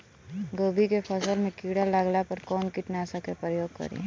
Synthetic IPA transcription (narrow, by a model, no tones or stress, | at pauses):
ɡoːbʱikepʰəsəlmẽkiːɽalaɡlapɐɾkɔːnkɪʈnaːsakepɾəjoːɡ̚kɐ̰ɾḛ̃